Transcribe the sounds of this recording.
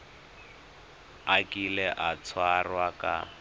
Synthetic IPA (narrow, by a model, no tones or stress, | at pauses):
akʼilɛʔat͡sʰwarwakʼa̰